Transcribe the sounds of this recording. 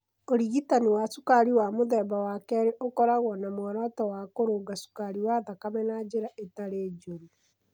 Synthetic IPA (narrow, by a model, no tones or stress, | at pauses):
oɾiɣitaniwasukaɾiwamoðɛbawakɛɾeʔokɔɾaɣɔnamwɔɾɔtɔwakoɾoɡasu̥kaɾiwaːðakamɛnad͡ʒeɾaʔetaɾeːd͡ʒoɾi